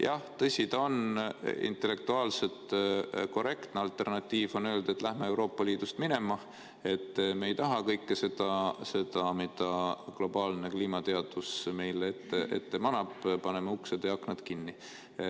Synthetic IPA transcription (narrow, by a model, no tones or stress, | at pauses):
jɑht̪ɤsʲit̪ɑo̞nḭnt̪ːˑe̞lːe̞k̚t̪uɑːlse̞t̪ko̞re̞kt̪neɑlt̪ˑːe̞rnɑt̪ːiːvo̞nø̞ːld̪̥e̞t̪ːˑlæhmee̞wɾo̞ːpːˑɑliːd̪̥ust̪mine̞mɑ | e̞t̪ːme̞ːjt̪ɑɦɑkɤjkːese̞d̪̥ɑse̞d̪̥ɑmid̪̥ɑklo̞b̥ɑːlne̞kliːmɑt̪e̞ɑd̪̥usme̞jleet̪ːeʔḛt̪ːe̞mɑnɑb̥pɑne̞meuksed̪̥jɑɑkːned̪̥kinːi